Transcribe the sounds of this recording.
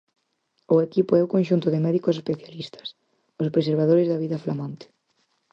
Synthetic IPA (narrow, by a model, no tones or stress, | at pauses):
ʊekipoɛʊkõnʃunt̪ʊðɪmɛðikos̬espeθjalist̪ɐ̥s | ospɾeseɾβ̞að̞oɾɪzðɐβiðɐflamãnt̪ɪ̥